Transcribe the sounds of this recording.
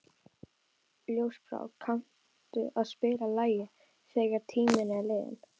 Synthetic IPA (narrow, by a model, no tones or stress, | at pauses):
ljoːwspɾa̰ːwkʰan̥ | t̪ʏaðspɪːɾalaːjɪ | fɛːɣaɾt̪ʰiːmɪnɛlɪːðɪ̰n